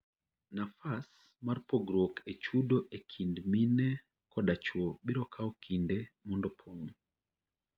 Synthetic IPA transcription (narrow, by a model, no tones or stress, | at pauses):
nafas | marpoɡɾokʰet͡ʃudoʔekʰindminɛ | kɔdat͡ʃwobiɾɔkʰaɔkʰindemɔndɔpʰoŋ